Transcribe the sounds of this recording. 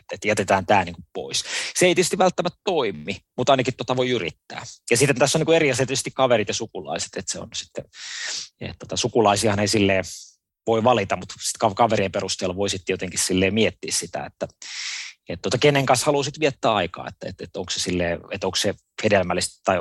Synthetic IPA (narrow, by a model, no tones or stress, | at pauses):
et̪jæt̪et̪æːnt̪æːniːŋkuppo̰isseeit̪iøˑtst̪iʋælt̪ːæmæt̪t̪oimˑimut̪ɑinɑkit̪ːot̪ɑʋoiyrḭt̪ːæ̰ːjɑsit̪ːent̪æsːoniːkueriɑselt̪ysest̪ikkɑʋerit̪jɑsukulɑ̰ise̥t̪et̪seo̰nsi̥t̪ːe | ḛt̪t̪uot̪ɑsukulɑisiɑhɑneisilːeː | ʋoiʋɑlit̪ɑmut̪si̥t̪kɑkɑʋeriːmperust̪eːlːɑʋoisit̪ːjot̪eŋkissilːeːmiet̪ːiːssit̪æ̰ḛt̪ːæ | et̪t̪uot̪ɑkenːeŋkɑnshɑluːsit̪ʋiet̪ːæːɑikɑ̰ːḛt̪ːæḛt̪et̪oŋksesilːeːet̪oŋkse | hedelmælːist̪t̪ːɑi